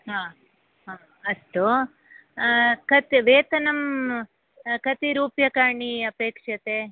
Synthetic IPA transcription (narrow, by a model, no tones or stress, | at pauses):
ɦaː | ɦaː | ɐst̪u | kɐt̪iʋeːt̪ɐnɐm | kɐt̪iɾuːpjɐkaːɳiɐpeːkʂɐt̪eː